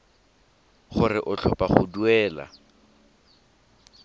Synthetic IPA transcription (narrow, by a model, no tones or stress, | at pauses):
χʊrɪʔʊt͡ɬʰɔpaχʊduɛːla̰